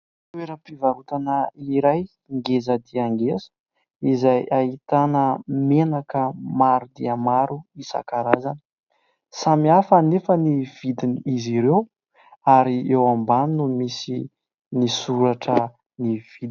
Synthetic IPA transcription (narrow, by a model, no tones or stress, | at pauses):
t̪ueɾəpivaɾut̪anəiliɾaj | ŋɡezəd̪iaŋɡezə̥ | izajait̪anəmenakəmaɾud̪iəmaɾuisa̰kaɾazanə̥ | samiafənefəniv̥id̪iniiziɾew | aɾiewambaninumisi | nisuɾaʈ͡ʂə | niv̥id̪